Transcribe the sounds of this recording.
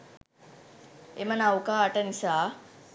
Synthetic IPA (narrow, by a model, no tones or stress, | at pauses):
emənawkaːʈənisaː